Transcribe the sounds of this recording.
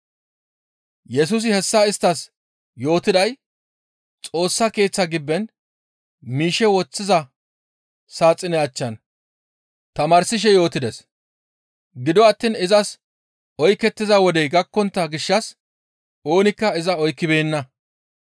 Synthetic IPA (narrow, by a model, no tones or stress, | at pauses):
jɛs̬ʊs̬ɪhɛsːɐɪst̪ːɐs | jo̞ːt̪ɪd̪ɐj | t͡sʼo̞ːsːɐke̞ːt͡sːɐɡɪbːɛn | miːʃɛwɔt͡sːɪzɐ | saːt͡sʼːɪnɛɐt͡ʃːɐn | t̪ɐmaːɾsɪʃ̬ɛjo̞ːt̪ɪd̪ɛs | ɡɪd̪ɔɐt̪ːiːnɪzɐs | ɔjkːɛt̪ːɪzɐwɔd̪ɛjɡɐkːɔnt̪ːɐɡɪʃːɐs | o̞ːnɪkːɐɪzɐɔjkːɪbe̞ːnːɐ